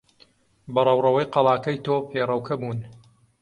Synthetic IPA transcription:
bɐrˤɐwrɐwɐjqɑlˠɑːkɐjt̪oːpʰeːrˤɐwkʰɐbuːn

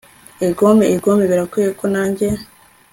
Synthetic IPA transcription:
eɡomeiɡomeβiɾakwejekonaːɲɟe

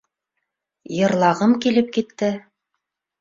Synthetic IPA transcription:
jɤ̆ɾlˠɑʁɤmkilɘp̚kit̪ːɘ

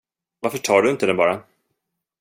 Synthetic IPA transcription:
vaɾfœʈʰɑːɖɵɪnt̪əd̪ɛnbɑːɾa

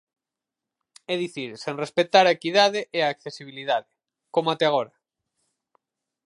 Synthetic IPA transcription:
ɛðiθiɾsenrespet̪aɾaekiðaðeʔɛaːkθesiβ̞iliðaðe | komat̪eaɣ̞oɾa

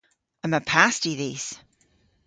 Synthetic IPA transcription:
ə̃məpʰastiðiːz̥

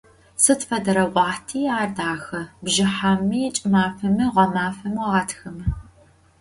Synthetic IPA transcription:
sɨtfɐdɐɾɐʔʷɑːħtʰiːaːrdaːxɐbʒɪħamːiːt͡ʃʼɪmaːfɐmɨʁʷɐmaːfɐmɐʁatʰxɐmɨ

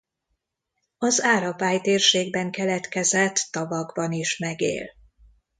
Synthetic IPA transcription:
ɒzaːɾɒpaːjt̪eːrʃeːɡ̚bɛŋkɛlɛt̪kɛzɛt̪ːɒvɒɡbɒniʃmɛɡḛːl

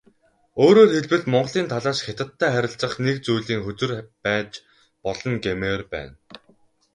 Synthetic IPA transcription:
oːɾoːrxeɮwɘ̆ɮmɔɴɢ̆ɮiːnt̪ʰaɮaːʃxet̪ə̆t̪ʰːæːχæɾʲɪ̆ɬt͡sə̆χnekt͡sujɮiːŋxɵt͡sɘ̆rpæːt͡ɕ | pɔɮɞ̆ŋɡemerpæ̰ːn

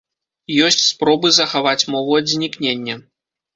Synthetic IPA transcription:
jɔsʲt͡sʲspɾɔbɨzɐxavat͡sʲmɔvuɐd̪zʲnʲiknʲenʲːɛ

